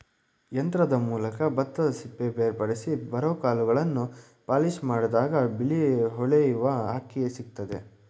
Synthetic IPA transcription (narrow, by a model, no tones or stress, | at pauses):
jɐnt̪ɾɐd̪ɐmuːlɐkɐbɐt̪ːɐsipːebeːɾpɐɽisibɐɾoːkaːluɡɐɭɐnːu | paːliʃmaːɽd̪aːɡɐbiliɦɔɭejiʋɐɦaːkːijesiɡ̚t̪ɐd̪e̞